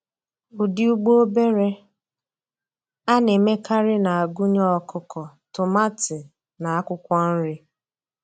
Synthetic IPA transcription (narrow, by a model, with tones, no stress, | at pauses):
ʊ˨dɪ˦u˦ɡ͡bo˦o˦be˦ɾe˦ | a˦ne˨me˦kʰa˦ɾɪ˦na˨a˨ɡʊ˦ɲɔ˦ɔ˦kʰʊ˦kɔ˨tʊ˨ma˦tɪ˨ | na˨a˦kʷʊ˦kʷɔ˦n̩˦ɾɪ˦